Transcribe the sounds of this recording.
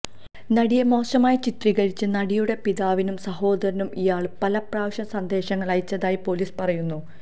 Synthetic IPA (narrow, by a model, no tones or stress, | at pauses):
nɐɽijemo̞ːɕɐmaːjit͡ɕit̪riɣɐɻit͡ɕːɨnɐɽijuɽe̞piðaːʋinumsɐho̞ːd̪ɐɾɐnumʔijaːɭɨpɐlɐpraːʋɕɐnsɐnd̪e̞ːɕɐŋːɐɭɐjit͡ɕːɐðaːjipo̞liːspɐrɐjunːu